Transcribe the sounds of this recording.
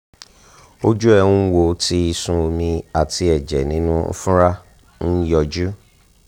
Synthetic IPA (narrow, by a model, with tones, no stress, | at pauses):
o˦d͡ʒu˦ɛ˦˧˨ũ˦wo˨˦ti˧i˧sũ˦o˧mĩ˧a˨ti˧ɛ˨d͡ʒɛ˨nĩ˨˦nṵ̃˦fũ˦ɾa˦ | n̩˦jɔ˧˨d͡ʒu˦